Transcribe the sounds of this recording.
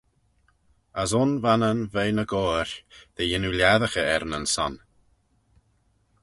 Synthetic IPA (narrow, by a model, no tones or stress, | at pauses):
əsʊnvanənvejnəɡɔːɾðejɪnuljaðəxəɛɾnənsɔ̰n